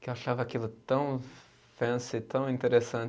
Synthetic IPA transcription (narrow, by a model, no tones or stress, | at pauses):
kewaʃavɐakilʊt̪ɐ̃w̃ | fɐ̃st̪ɐ̃w̃ĩnt̪eɾesɐ̃